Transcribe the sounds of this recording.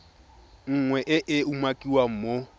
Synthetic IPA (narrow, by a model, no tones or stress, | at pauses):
ŋ̩ŋwɛʔɪʔɪumakʼiwam̩mo